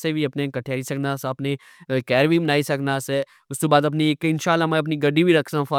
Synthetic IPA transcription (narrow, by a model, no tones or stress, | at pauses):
sebʱiɐpnekɐʈʰeaisɐknaseɐpne | kɛːɾʋimnaːisɐknase | ʊskebaːd̪ɐpnieːkɪnʃaːlːamɛ̃ɐp̬niɡɐɖibʱiɾɐkʰsãfa